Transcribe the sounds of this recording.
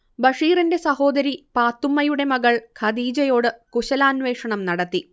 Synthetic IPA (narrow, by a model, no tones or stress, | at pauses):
bɐʂiːrinde̞sɐho̞ːd̪ɐɾipaːt̪ːumːɐjuɽe̞mɐɣɐɭkʰɐd̪iːd͡ʑɐjo̞ːɽɨkuɕɐlaːnʋe̞ːʂɐɳɐmnɐɽɐt̪ːi